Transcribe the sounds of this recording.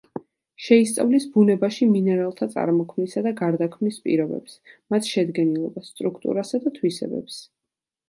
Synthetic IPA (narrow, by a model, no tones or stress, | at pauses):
ʃɛist̪sʼa̰vlisbunɛbaʃiminɛɾalˠt̪ʰat̪sʼa̰ɾmɔkʰmnisad̪aɡaɾd̪akʰmnispʼḭɾɔbɛ̰psmat̪ʰʃɛd̪ɡɛnilˠɔbasst̪ʼɾukʰt̪ʼṵɾasad̪at̪ʰwisɛ̰bɛ̰ps